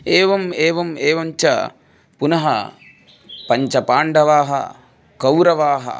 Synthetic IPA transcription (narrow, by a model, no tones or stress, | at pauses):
eːʋɐmeːʋɐmeːʋɐɲt͡ʃɐ̰ | punɐɦɐ̰ | pɐɲt͡ʃɐpaːɳɖɐʋaːɦɐ̰ | kɐwɾɐʋaːɦɐ̰